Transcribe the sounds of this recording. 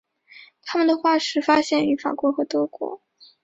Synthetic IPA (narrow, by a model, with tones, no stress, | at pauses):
t̪ʰa˥mə˨nd̪ə˩xwa˥˩ʂɻ̩˥˩fa˥ɕjɛ˥˩ny˧˥fa̰˨˩kwɔ˧˥xɤ˧˥t̪ɤ˥kwɔ̰˧˥